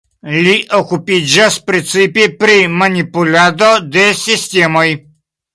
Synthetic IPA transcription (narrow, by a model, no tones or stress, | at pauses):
lʲiʔɔkupid͡ʒaspɾit̪sipipɾimanʲipulʲad̪ɔd̪esʲist̪ʲemɔj